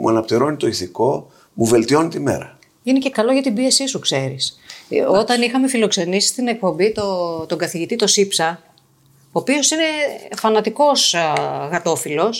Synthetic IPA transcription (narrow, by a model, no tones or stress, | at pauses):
mṵɐnɐpt̪iɾo̞nit̪o̞iθiko̞ | muve̞lt̪io̞nit̪ime̞̰ɾɐ | inice̞kɐlo̞ʝɐt̪ibie̞sisukse̞ɾḭsot̪ɐnixɐme̞filo̞kse̞nisi̥st̪ine̞k̚po̞mbit̪ot̪o̞ŋɡɐθiʝit̪it̪o̞sipsɐ | oːpio̞sine̞fɐnɐt̪iko̞sɣɐt̪o̞filo̞s